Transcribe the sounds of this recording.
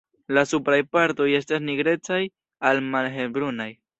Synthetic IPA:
lasupɾajpaɾt̪o̞je̞stasniɡɾe̞t͡saj | almalɦebɾunaj

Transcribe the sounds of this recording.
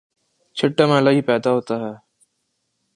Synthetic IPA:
t͡ʃʰɪʈːəmẽːlaːɦiːpɛːd̪aːɦoːt̪aːɦɛː

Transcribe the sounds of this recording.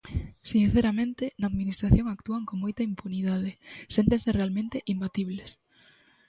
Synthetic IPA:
sinθeɾamẽnt̪enɐːðminist̪ɾaθjoŋakt̪uaŋkoŋmojt̪ɐimpuniðað̞esent̪ẽŋserealmẽnt̪eʔimbat̪iβles

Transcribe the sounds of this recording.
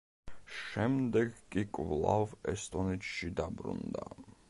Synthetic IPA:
ʃɛmd̪ɛɡkʼikʼvlˠa̰vɛst̪ʼɔnit͡ʃʰʃid̪abɾṵnd̪a̰

